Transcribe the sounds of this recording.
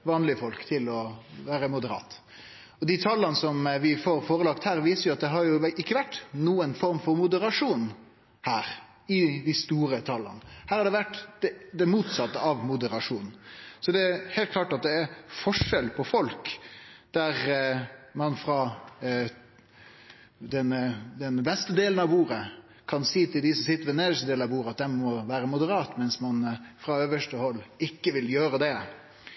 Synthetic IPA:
ʋɑːnlɪəfɔlkt̪ʰɪlɔʋæːɾəmʊd̪əɾɑ̰ːt̪ | ɔd̪ɪt̪ʰɑlːɑnəsɔmʋɪfoɾfoːɾəlɑkt̪hæːɾʋiːsəɾjʊɑt̪d̪ɛɦɑɾjʊʔɪkːəʋæʈːnuːənfɔɾmfɔɾmʊd̪əɾɑʂuːn | hæːɾ | ɪd̪ɪst̪uːɾət̪ʰɑlːɑ̰nəhæːɾhɑɖɛʋæʈːd̪̥ɛd̪ɛmuːt̪sɑt̪ːəɑʋmʊd̪əɾɑʂuːnn̩sɔd̪ɛæheːlt̪kʰlɑːʈɑt̪̚d̪ɛæɾfɔʂɛlpʰɔfɔlkd̪̥æɾ | mɑnfɾɑ | d̪ɛnd̪ɛnbɛst̪əd̪eːln̩ɑʋuːɾə | kʰɑnsiːt̪ɪld̪ɪsɔmsɪt̪ːəɾʋɛneːd̪əʂəd̪eːlnɑʋbuːɾəɑt̪̚d̪ɛnmɔʋæːɾəmʊd̪əɾɑːt̪mɛnsmɑnfɾɑøːʋəʂʈəhɔlːɪkːəʋɪljøːɾəd̪ɛ

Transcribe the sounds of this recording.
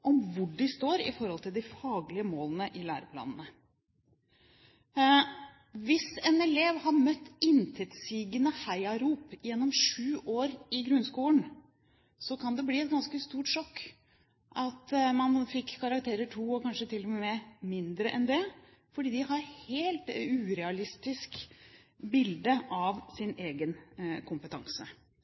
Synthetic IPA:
ʔɔmʋʊɖɖɪst̪oːɾɪ̰fɔɾhɔlt̪ʰɪld̪ɪfɑːɡlɪəmoːlənəʔɪlæ̰ːɾəpʰlɑ̰ːnənə | ʋɪsɛːnɛleːʋhɑɾmœt̪ːɪnt̪ʰɛt̪siːɡənəhæɪɑɾuːpjɛnːɔmʂʉːʔoːɾɪɡɾʉnskuːlən | sɔkʰɑnd̪ɛbliːɛt̪̚ɡɑnskəst̪uːʈʂɔkː | ʔɑt̪mɑnfɪkʰːɑɾɑkt̪ʰeːɾəʈʰuːɔkʰɑnʂət̪ʰɪlːɔmɛmɛmɪnd̪ɾəʔɛnd̪ɛ | fɔɖiːd̪ɪhɑɾheːlt̪ʉːɾɛɑlɪst̪ɪsk | bɪld̪əʔɑʋsɪneːɡənkʰʊmpət̪ʰɑ̰ŋsə

